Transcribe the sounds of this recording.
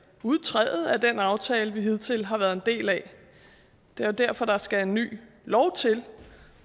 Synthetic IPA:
uð̞ˠt͡sʰʁɛ̰ːð̩ˠæd̥enɑ̈ʊt͡sʰɛːləʋiɦiðˠt͡sʰe̝lɦɑ̈ʋæɐðˠe̝nd̥e̝̰ːlæ | d̥e̝æd̥æɐfɒ̽ɾ̥ɑ̈sɡ̥æe̝nːy̰ː | lɒʊt͡sʰe̝l

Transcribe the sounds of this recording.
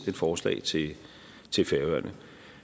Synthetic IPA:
ed̥fɒːslɛ̰ːɪt͡sʰe̝ | t͡sʰe̝lfeɐʋɶɐnʔə

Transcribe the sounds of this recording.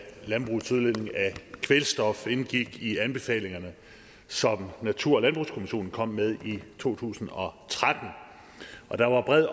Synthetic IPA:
lænb̥ʁusuðˠlen̰e̝ŋækʰʋelsd̥ɒ̽fe̝nɡ̥iɡ̥iænb̥e̝fɛ̰ːle̝ŋɐnə | sɒ̽mnæt͡sʰuɐɒlænb̥ʁuskʰo̝miɕo̝̰ːn̩kʰɒ̽m̰mːeð̞ˠit͡sʰo̝̰ːt͡sʰṵːsn̩ɒ̽t͡sʰʁad̥n̩ | ʔɒ̽d̥ɑ̈ʋɑ̈b̥ʁɛð̰ˠ

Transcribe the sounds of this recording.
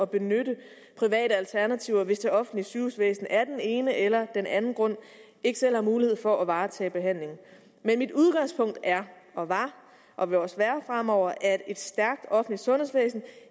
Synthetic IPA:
ɒ̽b̥e̝nøɾə | pʰʁiʋɛ̰ːɾəælt͡sʰæɐnæt͡sʰiʊɐʋe̝sd̥eɒ̽fn̩lisyːusʋḛːsn̩æɐd̥ene̝ːnəʔelɐd̥enʔænn̩ɡ̥ʁɔ̽n̰ | e̝ɡ̥əsel̰hɑ̈muːliheð̞̰ˠfɒ̽ʔæʋɑ̈ːt͡sʰɛ̰ːb̥e̝ɦæn̰le̝ŋ̩ | menmid̥uð̞ˠɡ̥ɑ̈ŋspʰɔ̽ŋ̰d̥æɐɒ̽ʋɑ̈ | ʔɒ̽ʋe̝ɒsʋæːɐfʁam̰ɒʊ̰ɐʔæd̥e̝d̥sd̥æɐɡ̥̚d̥ɒ̽fn̩lid̥sɔ̽nhe̝sʋḛːsn̩

